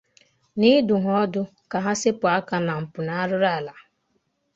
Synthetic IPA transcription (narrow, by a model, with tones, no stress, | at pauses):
ni˦dʊ˨ɦɔ˦dʊ˦ | ka˨ɦa˦sɪ˦pʊ˨a˦ka˨na˨m̩˨pʊ˨na˦a˦ɾʊ˦ɾa˦˨la˨